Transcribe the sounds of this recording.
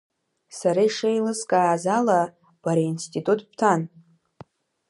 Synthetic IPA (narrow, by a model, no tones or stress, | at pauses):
saɾaiʂejlɨskʼaːzala | b̥aɾainstʼitʼutʼpʰtʰan